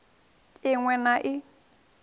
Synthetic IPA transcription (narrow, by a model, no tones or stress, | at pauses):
ɪŋwɛnaʔɪ